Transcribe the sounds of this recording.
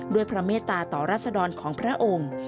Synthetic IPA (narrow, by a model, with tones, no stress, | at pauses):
du˥˩əjpʰɾa˦˧˥meː˥˩t̪ːaː˧t̪ɔː˨˩ɾaː˥˩t̪̚sa˧dɔː˧nkʰɔː˩˦ŋpʰɾa˦˥ʔo˧ŋ